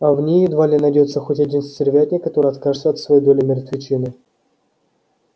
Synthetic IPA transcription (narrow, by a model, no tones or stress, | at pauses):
avnʲejɪd̪valʲnʲənɐdʲejɪt̪səxotʲɐdʲinsʲtʲɪrʲvʲatʲɪkɐt̪o̞ɾɨjɐt̪kaʒʐɨt̪səɐt̪svɐjejd̪o̞lʲɪmʲɪrət̪vʲɪt͡ɕinɨ